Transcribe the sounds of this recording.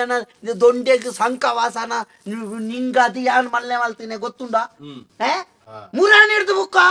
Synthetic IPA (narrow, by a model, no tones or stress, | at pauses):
anad̪oɳɖeɡsɐŋkaːʋaːsana | niŋɡaːd̪ijaːnmɐlːeːʋaːlt̪ineɡot̪ːũnd̪aːɦe | muɾaːniɾd̪bukːa